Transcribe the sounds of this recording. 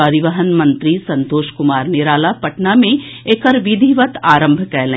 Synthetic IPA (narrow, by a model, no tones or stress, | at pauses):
əɾiʋəɦənmɐ̃nt̪ɾisɐ̃nt̪oːʃkʊmaːɾnɪɾaːlapɐʈnamẽ | ekɐɾʋid̪ʱiʋət̪aːɾə̃mbʱkɛːlẽ